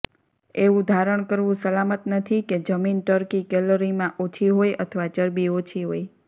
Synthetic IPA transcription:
eʋũd̪ʱaɾəɳkəɾʋũsəlamət̪nət̪ʰiked͡ʒəminʈəɾkikɛloɾimãʔot͡ʃʰiɦojə̰t̪ʰəʋat͡ʃəɾbiot͡ʃʰiɦoj

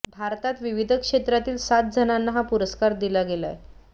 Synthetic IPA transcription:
bʱaɾt̪at̪ʋiʋid̪ʱəkʂet̪ɾat̪iːlsat̪̚d͡zʱənanːaɦapuɾəskaɾd̪ilaɡela̰j

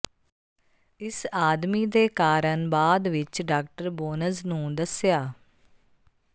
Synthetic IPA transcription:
ɪsaːd̪miːd̪eːkaːɾənbaːd̪ʋɪt͡ʃɖaːk̚ʈəɾboːnəznũːd̪əsɪjaː

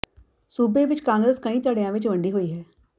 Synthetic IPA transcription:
suːbeːʋɪt͡ʃkãːŋɡɾeːskəĩːt̪əɽejãːʋɪt͡ʃʋə̃ɳɖiːɦoːiːɦɛː

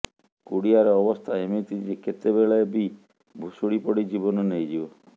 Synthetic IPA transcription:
kuɽiaɾɔːbɔst̪ʰaemet̪id͡ʒeket̪ebeɭɔebi | bʱusuɽipɔɽid͡ʒibɔnɔnejd͡ʒibɔ

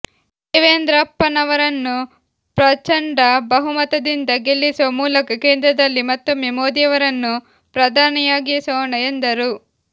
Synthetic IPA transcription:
iʋeːnd̪ɾɐpːɐnɐʋɐɾɐnːu | pɾɐt͡ʃɐɳɖɐbɐɦumɐt̪ɐd̪ind̪ɐɡe̞lːisuʋɐmuːlɐkɐke̞ːnd̪ɾɐd̪ɐɾlːimɐt̪ːomemoːd̪ijɐʋɐɾɐnːu | pɾɐd̪ʱaːnijaːɡisɐːɳɐend̪ɐɾu

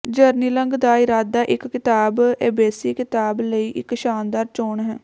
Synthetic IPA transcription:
d͡ʒəɾniːləŋɡd̪aːɪɾaːd̪aːʔɪkːɪt̪aːbeːbɛːsiːkɪt̪aːbləiːʔɪkʃaːnd̪aːɾt͡ʃoːɳɦɛː

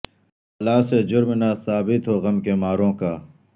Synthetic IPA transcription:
ɐlaːsed͡ʒʊɾmnasaːbɪt̪ɦoːɣɐmkemaːɾõːkaː

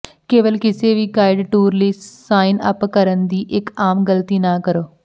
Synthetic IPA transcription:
keːʋəlkɪseːʋiːɡaːɪɖʈuːɾləiːsaːɪnə̰pkəɾənd̪iːʔɪkaːmɡəlt̪iːnaːkəɾoː

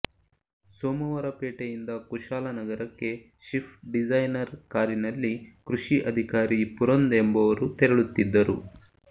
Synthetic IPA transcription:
soːmɐʋɐɾɐpeːʈejind̪ɐkuʃaːlɐnɐɡɐɾɐkːe̞ | ʃipʰʈɖid͡ʒɐjnɐɾkaːɾinɐlːikɾuʃiʔɐd̪ʱikaːɾipuɾond̪embɐʋɐɾut̪ɛɾeɭut̪ːid̪ːɐɾṵ

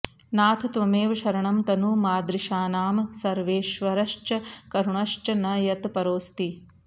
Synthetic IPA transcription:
naːt̪ʰɐt̪ʋɐmeːʋɐʃɐɾɐɳɐmt̪ɐnuːmaːd̪ɾiʃaːnaːmsɐɾʋeːʃʋɐɾɐʂt͡ʃɐkɐɾuɳɐʂt͡ʃɐnɐjɐt̪pɐɾoːst̪i

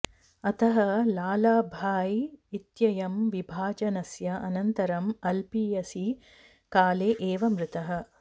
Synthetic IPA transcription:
ɐt̪ɐɦɐlaːlaːbʱaːjit̪jɐjɐmʋibʱaːd͡ʒɐnɐsjɐʔɐnɐnt̪ɐɾɐmɐlpiːjɐsi | kaːleːʔeːʋɐmɾɪt̪ɐɦɐ̆

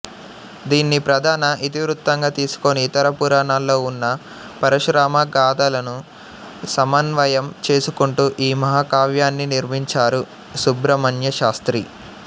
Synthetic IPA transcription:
d̪iːnːipɾɐd̪ʱaːnɐʔit̪iʋɾut̪ːɐŋɡaːt̪iːsu̥ko̞niːt̪ɐɾɐpuɾaːnaːlːo̞ːunːɐ | pɐɾɐʃɾaːmɐɡaːd̪ɐlɐnu | sɐmɐnʋɐjɐmt͡ʃe̞ːsukuɳʈuʔiːmɐɦaːkaːʋjaːnːiniɾmiɲt͡ʃaːɾu | subɾɐmɐnjɐʃaːst̪ɾi

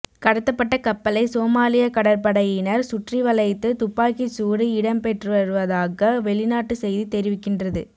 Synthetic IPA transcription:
kɐɽɐt̪ːɐpːɐʈːɐkɐpːɐlɐɪsoːmaːlɪjɐkɐɽɐɾpɐɽɐjɪnɐɾsʊʈriʋɐlɐɪt̪ːɯt̪ʊpːaːkisuːɾiɪɽɐmpɛʈrɯʋɐɾɯʋɐðaːɣɐʋɛɭɪnaːʈːɯsɛjðit̪ɛɾɪʋɪkːɪndrɐðɯ

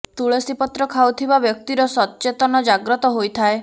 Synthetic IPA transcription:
t̪uɭesipɔt̪ɾɔkʰawt̪ʰibabjɔk̚t̪iɾɔsɔt̪ːt͡ʃet̪ɔnɔd͡ʒaɡɾɔt̪ɔɦojt̪ʰae

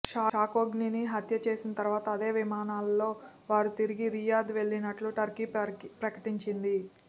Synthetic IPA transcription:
ʃaːaːkoːɡniniɦɐt̪jɐt͡ʃe̞ːsinɐt̪ɐɾʋaːt̪ɐːd̪e̞ːʋimaːnaːlːo̞ː | ʋaːɾut̪iɾiɡiɾijaːd̪ʋe̞ɭːinɐʈluʈɐɾkipɾɐkɐ̥ʈiɲt͡ʃind̪i

